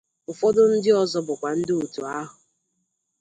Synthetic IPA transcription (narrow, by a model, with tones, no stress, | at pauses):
ʊ˨fɔ˦dʊ˦n̩˦dɪ˦ɔ˦zɔ˦bʊ˨kʷa˨n̩˦dɪ˦u˨tu˨a˦ɦʊ˨